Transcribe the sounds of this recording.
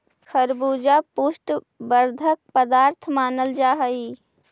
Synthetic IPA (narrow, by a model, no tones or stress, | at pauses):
kʰəɾbud͡ʒapusʈ | bəɾd̪ʱək̚pəd̪aːɾt̪ʰmaːnəld͡ʒaɦəi